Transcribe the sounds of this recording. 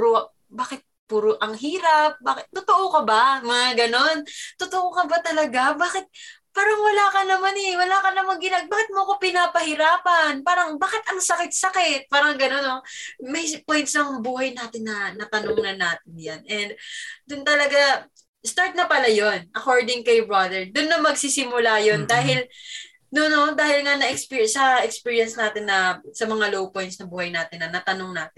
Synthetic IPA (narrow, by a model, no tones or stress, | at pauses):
pɾo | baːkɪt̪̚puːɾoʔɐŋɦiːɾɐp̚baːkɪt̪ːʊt̪oʔokɐbamɐŋaɡɐno̞nt̪ːʊt̪oʔokɐbat̪ɐlɐɡabaːkɪt̪̚ | paːɾɐŋwɐlaːkɐnɐmanɛwɐlaːkɐnɐmaŋɡɪnaɡ̚baːkɪt̪̚moɐko̞pɪnapɐhɪɾaːpɐnpaːɾɐŋbaːkɪt̪ɐŋsɐkɪt̪̚sɐkɪt̪̚paːɾɐŋɡɐno̞nomɛjpojnsɐŋbuːhɐjnaːt̪ɪnːɐnɐt̪ɐnoŋnɐnaːt̪̚ɪnjanɛnd̪̚d̪ʊnt̪ɐlɐɡa | st̪aɹt̪̚nɐpɐlajonʔɐko̞ɹd̪ɪŋkɐjbɹad̪ɛɹd̪ʊnːɐmɐɡsisɪmʊlaːjo̞nd̪aːɦɪl | nono̞d̪aːhɪlŋɐnɐʔɛkspisɐɛkspiːɹijɐnsnaːt̪ɪnːɐsɐmɐŋalowpo̞jnt̪snɐbuːhɐjnaːt̪ɪnːɐnɐt̪ɐnoŋnaːt̪ɪn